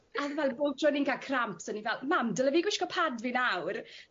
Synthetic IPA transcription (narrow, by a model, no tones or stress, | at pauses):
aðvɛlˠbotʰrɔnɪŋkakʰrampsənivɛlˠmamdələviːɡwɪʃkɔpʰadvinawr